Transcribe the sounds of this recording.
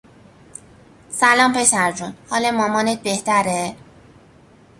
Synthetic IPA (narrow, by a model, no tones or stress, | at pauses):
sælɒːmpʰe̞sæɾd͡ʒunhɒːlɒmɒːmɒːnet̪̚beht̪æɾe